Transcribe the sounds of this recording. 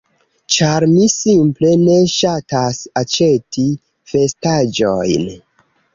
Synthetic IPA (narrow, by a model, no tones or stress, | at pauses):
t͡ʃaɾmisimple̞ne̞ʃatasat͡ʃe̞ti | fe̞stad͡ʒojn